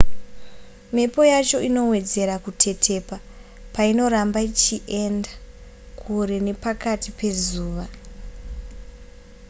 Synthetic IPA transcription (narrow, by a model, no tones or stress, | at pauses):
mepo̞jat͡ʃo̞ʔino̞we̞d͡ze̞ɾakutʰe̞tʰe̞pa | paino̞ɾambait͡ʃiʔenda | kʰuɾe̞ne̞pakatipe̞zuːʋa